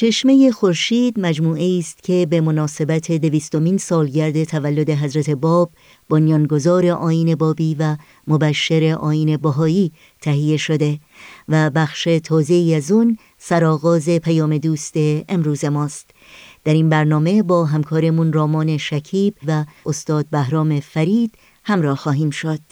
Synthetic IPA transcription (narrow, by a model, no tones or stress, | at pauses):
t͡ʃʰe̞ʃme̞jexo̞ɾʃiːd̪mæd͡ʒmuːʔe̞iːst̪cʰe̞be̞mo̞nɒːse̞bæt̪ʰe̞d̪e̞viːst̪o̞minsɒːlɟæɾd̪e̞t̪ʰævælːo̞d̪e̞ɦæzɾæt̪ʰe̞bɒːb̥ː | onjɒːnɡo̞zɒːɾe̞ʔɒːiːne̞bɒːbiːvæ | mobæʃːeɾe̞ʔɒːjiːne̞bæɦɒːiː | t̪ʰæɦije̞ʃo̞d̪e̞ | væbæxʃe̞t̪ʰɒːze̞iːæzun | sæɾɒːɣɒːze̞pʰæjɒːme̞d̪uːst̪e̞ːmɾuːze̞mɒːst̪ | d̪̥æɾinbæɾnɒːme̞bɒːɦæmkʰɒːɾemunrɒːmɒːne̞ʃæcʰiːb̥væost̪ɒːd̪̚bæhɾɒːme̞fæɾiːd̪̥ | hæmɾɒːhxɒːɦiːmʃo̞d̪̥